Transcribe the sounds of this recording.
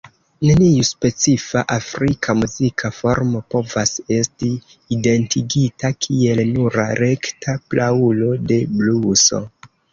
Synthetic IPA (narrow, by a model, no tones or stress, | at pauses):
nenijuspe̞t͡sifaʔafɾikʰamuzikʰafo̞ɾmo̞po̞vase̞stiː | de̞ntʰiɡitakʰie̞lnuɾaɾe̞ktʰaplaulo̞de̞bluso̞̰